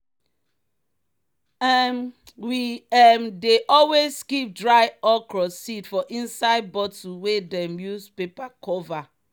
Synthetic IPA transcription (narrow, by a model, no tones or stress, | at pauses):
m | wiɛmdeʔɔlwezskip̚dɹaɪɔkɹɔsitfɔʔĩnsaɪd̚bɔtuwedɛmjuspepakɔva